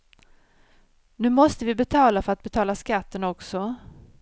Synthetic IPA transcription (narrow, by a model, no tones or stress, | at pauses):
nʉ̟ːmɔst̪əvɪbɛt̪ʰɑːlafœɾat̪̚bɛt̪ʰɑːlaskat̪ːənɔksɔ